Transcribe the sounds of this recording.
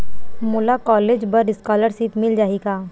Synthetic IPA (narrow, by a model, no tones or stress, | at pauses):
mʊlakɔːleːd͡ʒbɐɾɖɪskaːləɾsiːt̪mɪld͡ʒaːiɡaː